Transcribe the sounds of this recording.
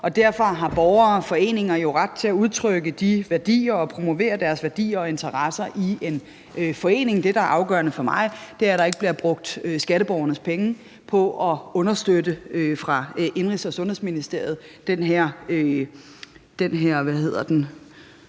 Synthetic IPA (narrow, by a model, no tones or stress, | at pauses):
ɒ̽d̥æɐ̰fɑ̈ɦɑ̈b̥ɒʊɐːfɒ̽e̝̰ːne̝ŋɐjo̝ʁɑ̈d̥̚t͡sʰe̝æuð̞ˠt͡sʰʁœɡ̥əd̥iʋæɐd̥ḭːɐɒ̽pʰʁo̝mo̝ʋe̝̰ːɐd̥æɐsʋæɐd̥ḭːɐɒ̽e̝nt͡sʰɐʁɑsɐʔie̝n | fɒ̽e̝̰ːne̝ŋd̥e̝ɾ̥ɑ̈æɐʔɑ̈ʊɡ̥œ̰ɐnəfɒ̽mɑ̈ɪd̥e̝æɐɾ̥ɑ̈e̝ɡ̥b̥liɐb̥ʁɔ̽ɡ̥̚d̥øsɡ̥æɾəb̥ɒʊɐnəspʰeŋə | pʰɒ̽ʔɒ̽ɔ̽nɐsd̥ødəøfʁɑ̈ʔe̝nʁisɒ̽sɔ̽nhesminisd̥e̝ɐ̰ð̞̩ˠd̥enɦæɐ̰ø | d̥enɦeɐ̰ʋæhe̝ð̞̰ˠɐd̥en